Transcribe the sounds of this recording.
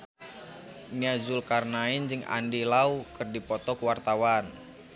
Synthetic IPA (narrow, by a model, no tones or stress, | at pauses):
niad͡ʒʊlkarnaind͡ʒɨŋa̰ndilaukɨrdipɔt̪ɔkəwart̪awan